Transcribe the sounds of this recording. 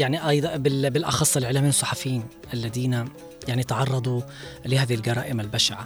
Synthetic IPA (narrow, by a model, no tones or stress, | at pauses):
jaʕniʔɑjd̪ˤbɪbɪlʔɑ̰xɑsˤːɪlʕɪlːamiːnsˤːɑħɑfjiːn | ʔalːad̪iːna | jaʕnit̪ʕɑrˤːɑd̪ˤu | lɪhaːðihilɡɑɾˤɑ̰ːʔɪmalbaʃaʕa